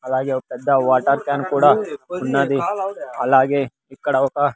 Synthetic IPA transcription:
ɐlaːɡepɐd̪aʋaːʈəɾkaːnkuːɽaʊnːad̪iɐlaːɡe | ɪkːɐɽaʋka

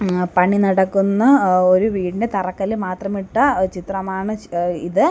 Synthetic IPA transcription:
pɐɳinɐɽɐkːunːɐoɾuʋiːɽinde̞t̪ɐrɐkːɐlilmaːt̪rɐmiʈːɐt͡ɕit̪rɐmaːɳɨiðɨ

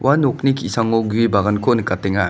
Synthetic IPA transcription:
wʔanok̚nikʰisaŋoɡuibaɣankʰonɯkːatːeŋa

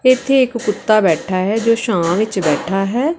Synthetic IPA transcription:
ɪt̪ʰːeɪkkʊt̪ːaːbɛːʈʰaːɦɛːd͡ʒoːʃãːʋɪt͡ʃbɛːʈʰaːɦɛː

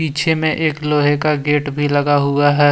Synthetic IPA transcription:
piːt͡ʃʰemẽʔeːkloːɦekaɡeːʈbʱilɐɡaɦʊaɦɛː

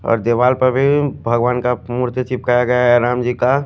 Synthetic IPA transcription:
ɔ̰ːɾd̪eːʋaːlpəɾbʱibʱɐɡʋaːnkamuɾt̪ət͡ʃip̚kajaɡəjaɦɛɾaːmd͡ʒika

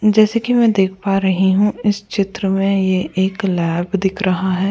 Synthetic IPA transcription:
d͡ʒɛːsekimɛ̃ːd̪eːk̚ʰpaːɾɐɦiɦũɪst͡ʃɪt̪ɾəmẽjeʔeːklɛːbd̪ɪkʰɾɐɦaɦɛː

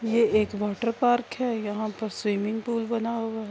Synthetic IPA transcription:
jeeːkʋɔːʈəɾpaːɾkɦɛːjɐɦãpɐɾswiːmɪ̃ŋɡpuːlbɐnaɦoaɦɛ

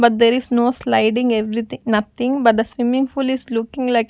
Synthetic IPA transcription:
bɐʈ̚d̪eɾisnoːslaɪɖɪ̃ŋɡeʋɾit̪ɪ̃nɐt̪ʰɪ̃ŋbɐʈ̚d̪əsʋɪmɪ̃ŋfulislʊkɪ̃ŋlaɪk

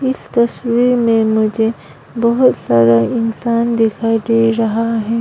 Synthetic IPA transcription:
ɪst̪ɐswiːɾmẽmʊd͡ʒʱe | bɐɦʊt̪saːɾaɪnsaːnd̪ɪkʰaːid̪eɾɐɦaɦɛː

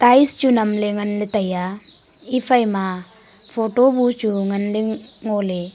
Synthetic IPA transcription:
t̪aːist͡ʃunɐmleŋɐnlet̪ɐja | ifɐjma | fʰoːʈobut͡ʃuŋɐnleŋoːle

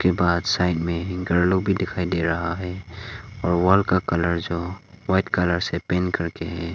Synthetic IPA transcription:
kebaːd̪saːɪʈmẽɡɐɾlobʱid̪ɪkʰaːid̪eɾɐɦaɦɛːɔːɾwaːlkakələɾd͡ʒoːwaɪʈkələɾsepẽːnkəɾkeɦɛː

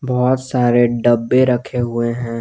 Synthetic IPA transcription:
bɔːt̪saːɾeɖəbːeɾɐkʰeɦʊeɦɛ̃ː

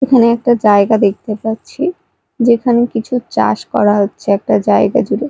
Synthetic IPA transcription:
ekʰaneɛk̚ʈad͡ʑaeɡad̪ek̚ʰt̪epatːɕʰi | d͡ʑekʰanekit͡ɕʰut͡ɕa̰ʃkɔ̰ɾaɦotːɕʰeɛk̚ʈad͡ʑaeɡa̰d͡ʑuɾe

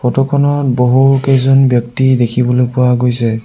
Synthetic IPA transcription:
pʰɔtɔkʰɔnɔt̚boɦukejzɔnbjɔk̚tidekʰibɔlojpʊwaɡojsɛ

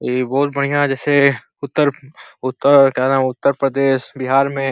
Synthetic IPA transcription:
iːbɔːʊt̪̚bɐɽ̤ijãd͡ʒɛːse | ʊt̪ːəɾʊt̪ːəkɛɾɦʊt̪ːəɾpɾəd̪eːʃbɪɦaːɾmẽ

